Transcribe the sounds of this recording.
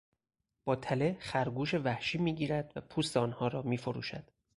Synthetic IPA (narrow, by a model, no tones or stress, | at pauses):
b̥ɒːt̪ʰæle̞xæɾɡuːʃe̞væhʃiːmiːɟiːɾæd̪̥væpʰuːst̪eɒːnhɒːɾɒːmiːfoɾṵːʃæ̰d̪̥